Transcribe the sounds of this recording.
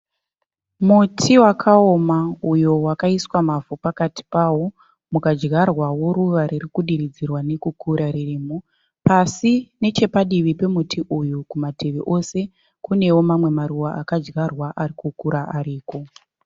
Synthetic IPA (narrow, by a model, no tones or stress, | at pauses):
mutʰiwakʰao̞maujo̞wakaiswamavupakati̥paːwo | mukad͡ʒɡarwawo̞ɾuʋaɾirikuɗiɾid͡zirwane̞kukuɾaɾiriːmo | pasine̞t͡ʃe̞paɗiʋipe̞mutʰiʔujukumatʰe̞ʋeʔo̞se̞ | kune̞wo̞mamwe̞maɾuwaakad͡ʒɡarwaʔarikukuɾaʔaɾiːko̞